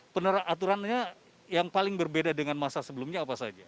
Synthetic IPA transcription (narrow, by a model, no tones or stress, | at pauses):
pənəɾaat̪uɾanɲa | jaŋpalɪŋbərbedadəŋanmasasəbəlumɲaːpasa̰d͡ʒa